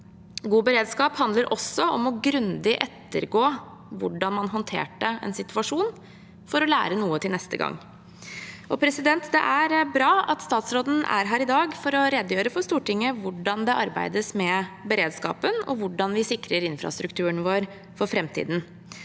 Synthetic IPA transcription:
ɡuːbəɾeːd̪skɑːphɑnd̪ləɾʔɔsːɔɔmɔɡɾʉnd̪ɪʔɛt̪ːə̰ɾɡoː | ʋʊɖɑnmɑnɦɔnt̪ʰḛːʈəʔɛ̰nsɪt̪ʉɑʂuːn | fɔɾɔlæ̰ːɾənuːət̪ʰɪlnɛst̪ə̰ɡɑ̰ŋː | ʔɔpʰɾɛsɪd̪ɛnt̪d̪ɛ̰ʔæɾbɾɑːɑt̪st̪ɑːt̪sɾoːd̪n̩æ̰ɾɦæːɾɪd̪ɑːɡfɔɾɔɾɛd̪əjøːɾəfɔʂst̪uːʈɪŋːəʋʊɖɑnd̪ɛʔɑɾbæ̰ɪd̪əsmɛbəɾeːd̪skɑ̰ːpənɔ̰ʋʊɖɑnʋɪsɪkɾəɾɪnfɾɑ̰st̪ɾʉkt̪ʰʉːəɳʋoːɾ | fɔɾfɾɛmt̪ʰḭːd̪n̩

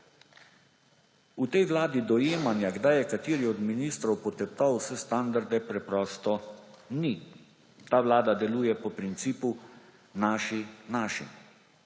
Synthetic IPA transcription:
ut̪ɛjʋwlaːd̪id̪ɔjeːmanjaɡd̪ajɛkat̪iːɾiɔd̪miniːst̪ɾɔwpɔt̪ɛp̚t̪awsɛst̪and̪aɾd̪ɛpɾɛpɾɔːst̪ɔni | t̪aːʋlaːd̪ad̪ɛluːjɛpɔpɾint̪siːpu | naːʃinaːʃḭm

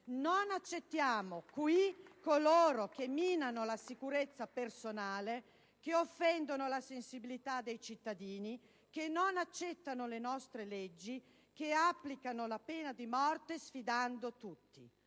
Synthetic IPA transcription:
nonat͡ʃːet̪ːjaːmokwikːoloːɾok̟emːiːnanolasikuɾet̪sːapersonaːle | keofːɛnd̪onolasensibilit̪ad̪ːejt͡ʃit̪ːad̪iːni | kenːonat͡ʃːɛt̪ːanolenɔst̪ɾeled͡ʒːi | keapːlikanolapeːnad̪imɔrt̪esfid̪and̪ot̪ut̪ːi

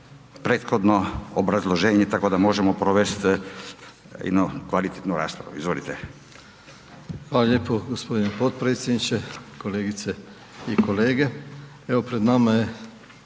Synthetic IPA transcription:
pɾeːt̪xod̪noobɾazlˠoʒeːɲet̪ako̞d̪amo̞ʒemopɾoʋest̪ | jḛd̪nukʋalit̪et̪nuɾa̰ːspɾa̰ʋṵizʋolit̪e | xʋaːlaʎjepoɡospo̞d̪inepot̪̚pɾet̪sjed̪nit͡ʃeko̞leɡit̪se | iko̞leːɡe̞ | eʋo̞pɾed̪namaje

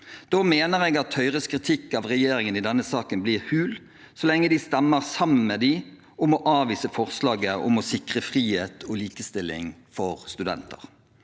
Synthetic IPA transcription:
d̪̥oːmeːnəʁɛɡɑt̪hœʏʁəskʁɪt̪ʰɪkːɑʋʁɛjeːɾɪŋənɪd̪ɛnːəsɑːkənblɪːʁhʉːl | sɔlɛŋːəd̪ɪst̪ɛmːəʁsɑmːən̩mɛd̪ɪ | ʊmɔʔɑːʋiːsəfɔʁslɑːɡəʔɔ̰mɔsɪkʁəfʁiːheːt̪ʰɔliːkəst̪ɪlːɪ̰ŋfɔʁst̪ʉd̪ɛ̰nt̪ə̰ʁ

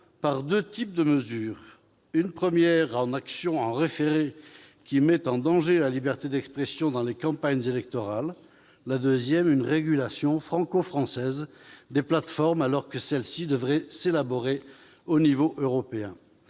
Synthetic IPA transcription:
paʁd̪øt̪ip̚d̪əməzyːʁ | ynpχəmjɛʁɑ̃naksjɔ̃ɑ̃ʁefeʁe | kʲimɛt̪ɑ̃d̪ɑ̃ʒelalibɛʁt̪ed̪ɛkspχɛsjɔ̃d̪ɑ̃lekɑ̃paɲzelɛk̚t̪ɔʁalː | ad̪øzjɛmynʁeɡʲylasjɔ̃fχɑ̃kofχɑ̃sɛz | d̪eplat̪fɔʁmalɔʁkəsɛlsid̪əvʁɛselabɔʁe | onivoʔøʁɔpeɛ̰̃

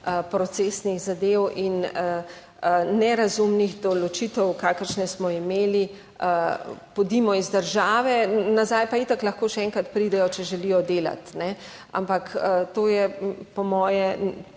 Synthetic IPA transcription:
əpɾɔt̪sesniɣzad̪ewʔinə | nɛɾazumnixd̪ɔlɔt͡ʃit̪ɛwkaːkəɾʃnɛsmɔimeːli | əpɔd̪imɔizd̪əɾʒaːʋɛnazaːjpait̪aklɐxkoːʃɛɛŋkɾat̪pɾiːd̪ɛjɔt͡ʃɛʒɛlijɔd̪eːla̰t̪nɛ | a̰mpakət̪oːjɛpɔmɔːjɛ

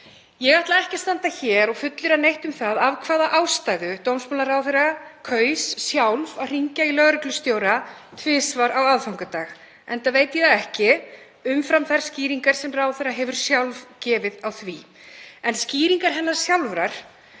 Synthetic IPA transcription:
jɛɣaht̪laɛhcḁst̪ant̪açɛːɾɔɣfʏt̪lʏɾanejht̪ʏmθaðavkʰvaːðaʔawst̪ajðʏt̪owmsmɔnarawθeɾakʰœːɥssjawlvawr̥iɲcailœɣɾʏklʏst̪joːwɾat̪ʰvɪːsvaɾawaðfawŋkʏt̪aːɣ | ɛnt̪aveːjt̪jɛðaɛhcɪ | ʏmfɾamθɛɾ̥sciːɾiŋkaɾ̥sɛmraːwθeɾaɦɛvʏɾ̥sjawlvcɛːvɪðawθvi | ɛnsciːɾiŋkaɾ̥ɦɛnːaɾ̥sjawlvɾaɾ̥

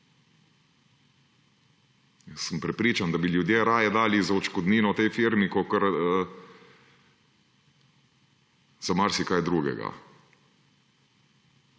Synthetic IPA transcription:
jɛsːəmpɾɛpɾiːt͡ʃand̪abiljud̪jeɾaːjɛd̪aːlizaɔt͡ʃkɔd̪niːnɔt̪ejfiɾmikɔkəɾə | z̥amaɾsikajd̪ɾuːɡɛ̰ɡa̰

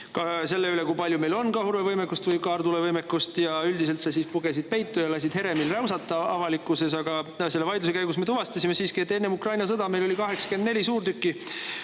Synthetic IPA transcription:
kɑse̞lːeylekujpɑlʲjume̞jlo̞nkɑhuɾvevɤjmekːust̪vɤjkɑːrd̪ulevɤjmekːˑust̪jɑyld̪ise̞lt̪sɑsiːspuɡe̞sid̪̚pe̞jt̪ːˑujɑlɑs̬id̪̥he̞ɾe̞milrɑwsɑt̪ːˑɑɑvɑlikːˑuse̞s̬ɑɡ̥ɑse̞lːevɑjd̪us̬ekæjɡusme̞t̪uvɑst̪ɑsʲime̞siːskie̞t̪ːˑenːe̞mukrɑjnɑs̬ɤd̪ɑme̞jlo̞likɑɦe̞ksɑ̥ke̞nd̪ne̞lʲisuːrt̪ykːˑi

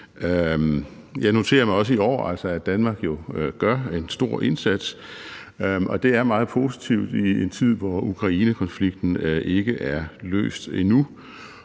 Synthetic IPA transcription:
øm | jɑ̈ɪno̝t͡sʰe̝̰ːɐmɑ̈ɪɒ̽s̬əiɒ̰ːæl̰sɒæd̥ænmɑ̈ːɡ̥jo̝ɡ̥ɶɐe̝nsd̥o̝ɐ̰ʔe̝nsæd̥s | ʔɒ̽d̥e̝æɐmɑ̈ːð̞̩ˠpʰo̝sit͡sʰiʊ̰d̥ient͡sʰið̞̰ˠʋɒukʰʁɑ̈iːnəkʰɒ̽nfliɡ̥̚d̥n̩ʔe̝ɡ̥əʔæɐlø̰ːsd̥enu

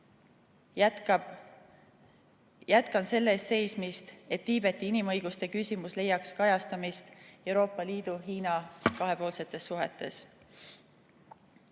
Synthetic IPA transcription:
jæt̪kɑnse̞lːe̞ːst̪se̞jsmist̪e̞t̪ːiːb̥e̞t̪ːˑiinimɤ̞jɡ̥ust̪e̞kysʲimusle̞jːɑkskɑjɑst̪ɑmist̪e̞wɾo̞ːpːˑɑliːd̪̥uɦiːnɑkɑɦe̞po̞ːlse̞t̪ːˑe̞sːuɦḛt̪ːˑe̞s

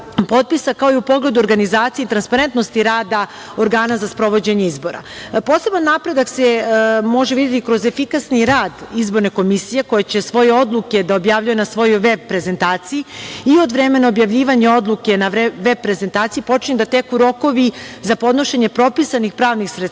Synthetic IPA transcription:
po̞t̪̚pisakao̞iupo̞ɡle̞d̪uoɾɡanizaːt̪sijeit̪ɾanspaɾe̞nt̪nost̪iɾaːd̪a | o̞ɾɡaːnazaspɾo̞ʋo̞d͡ʑeɲeizbo̞ɾa̰po̞ːse̞banːapɾe̞d̪aksemo̞ʒeʋid̪je̞t̪ikɾo̞zefikasniɾaːd̪izbo̞ɾne̞ko̞misije̞ko̞jet͡ɕe̞sʋo̞je̞o̞d̪lˠuke̞d̪ao̞bjaːvʎʲujenasʋo̞jojʋeb̚pːɾe̞ze̞nt̪aːt̪sijiio̞d̪ʋɾeme̞naobjaʋʎʲiːʋaɲeo̞d̪lˠuke̞naʋeb̚pɾe̞ze̞nt̪aːt̪sijipo̞t͡ʃiɲed̪at̪e̞kuɾo̞ko̞ʋizapo̞d̪no̞ʃeɲe̞pɾo̞pisanixpɾaːʋnixsɾe

